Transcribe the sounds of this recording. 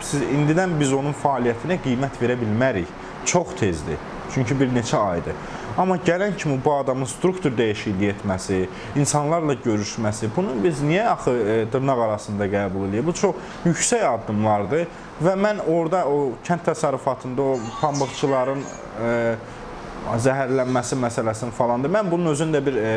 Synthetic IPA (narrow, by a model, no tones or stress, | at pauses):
sizind̪id̪ænbizo̞nunfæːlijæt̪ʰinæɡijmæt̪ʰve̞ɾæbilmæɾiç | t͡ʃʰo̞χt̪ʰe̞zd̪ḭ | t͡ʃʰyɲcʰibiɾne̞t͡ʃʰæɑjd̪ɯ | ɑmɑɟælæncʰimibuɑd̪ɑmɯnst̪ɾukt̪ʰuɾd̪æjiʃijlije̞t̪ʰmæsiː | nsɑnlˠɑɾlˠɑɟø̞ɾyʃmæsibunubiznijæɑχɯd̪ɯɾnɑɣɑɾɑsɯnd̪ɑɡæːbulˠe̞lijæbut͡ʃʰo̞χ | jyçsæjɑd̪ːɯmlˠɑɾd̪ɯ | væmæno̞ɾd̪ɑocʰænt̪ʰːæsɑɾːufɑt̪ʰɯnd̪ɑopʰɑmbɯɣt͡ʃʰɯlˠɑɾɯn | zæɦæɾlænmæsimæsælæsinfɑlˠɑnd̪ɯmænbununø̞zymd̪æbiɾ